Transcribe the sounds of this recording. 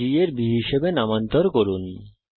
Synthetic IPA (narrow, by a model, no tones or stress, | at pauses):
ieɾbiɦiʃebenamant̪ɔɾkoɾoni